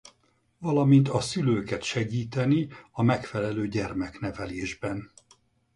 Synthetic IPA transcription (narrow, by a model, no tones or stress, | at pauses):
vɒlɒmint̪ɒsyløːkɛt̪ʃɛɡiːt̪ɛniɒmɛkfɛlɛløːɟɛrmɛknɛvɛleːʒbɛn